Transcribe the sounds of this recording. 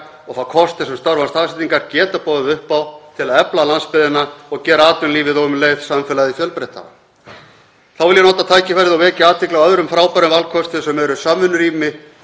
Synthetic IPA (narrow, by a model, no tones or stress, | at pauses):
ɔɣθawkʰɔst̪ɪ̥sɛmst̪aɾvanst̪aːsɛt̪iŋkaɾcɛːt̪apɔːðʏʏhpːawt̪ʰɪlaðɛplalanspɪðɪnaɔɣcɛːɾaaːt̪ʏnliːvɪðowʏmleːjð̥samfɛːlaðifjœlpɾɛht̪ʰa̰ | θawvɪljɛnoːwt̪at̪ʰaːjcɪfɛɾðɪawvɛːcɪaːt̪ʰvɪklaœðɾʏmfɾaːwpaɾʏnvalkʰɔst̪ɪsɛmɛɾʏsaːmʏnɾiːmɪ